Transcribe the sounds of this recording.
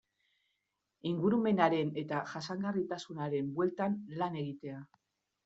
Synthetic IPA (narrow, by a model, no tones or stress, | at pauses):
iŋɡuɾume̞naɾe̞ne̞t̪aʝasaŋɡarit̪asunaɾe̞mbwe̞lt̪anlane̞ɣit̪e̞a